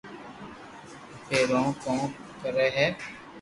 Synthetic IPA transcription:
peːɾõːkõːkəɾeːɦɛː

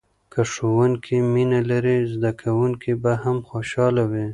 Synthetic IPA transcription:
kaʂowuŋkʰiminalaɾizd̪akʰawuŋkibahamxoʃɑlawi

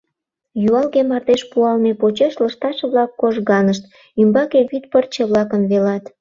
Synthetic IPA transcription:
juɑlɣemɑrd̪eʃpuɑlmepot͡ɕeʃləʃt̪ɑʃeβlɑkːoʒɣɑnəʃt̪ | ymbɑkeβyt̪̚pərt͡ɕeβlɑkənβelɑt̪

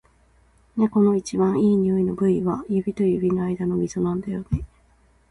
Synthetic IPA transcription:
neko̞no̞it͡ɕiβãɰ̃iːɲ̟ioino̞bɯ̟iβajɯ̟bʲit̪o̞jɯ̟bʲinoaid̪ano̞mʲisonãnd̪ajo̞ne̞

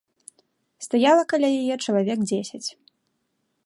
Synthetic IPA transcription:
st̪ajalˠɐkɐlʲajajɛt͡ʂɐlˠavʲɛɡd͡zʲesʲɐt͡sʲ

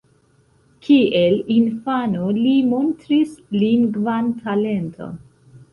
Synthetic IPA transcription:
kʰielinfanolimo̞ntɾisliŋɡvantʰale̞ntʰo̞̰n

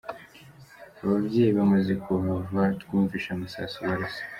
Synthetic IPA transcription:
aβabɟeːjiβamaze̞kuβavat̪kuːɱviʃamusa̰suwaɾasḁ

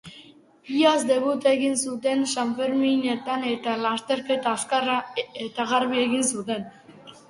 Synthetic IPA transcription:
iasd̪eβut̪eɣinsud̪enʃamfeɾminet̪anet̪alaʃt̪eɾket̪askaɾaet̪aɣaɾβieɣinsud̪en

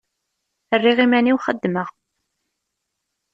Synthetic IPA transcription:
ərːiʁimæniwχəd̪ːməʁ

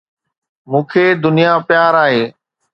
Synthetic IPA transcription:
mũːkʰeːd̪ʊnijapjaːɾaːɦeː

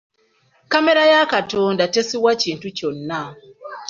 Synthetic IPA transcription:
kameɾajakatoːndatesiwaciːntuconːa

